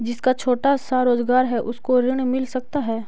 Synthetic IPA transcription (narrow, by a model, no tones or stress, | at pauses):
d͡ʒɪskat͡ʃʰoːʈasaɾoːzɡaːɾɦɛʔʊskoɾɪɽ̃mɪlsɐk̚t̪aɦɛː